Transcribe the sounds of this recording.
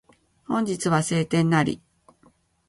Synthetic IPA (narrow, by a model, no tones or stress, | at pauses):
hõ̞ɲ̟d͡ʑit͡sɨβase̞ːt̪ẽ̞nːaɾʲḭ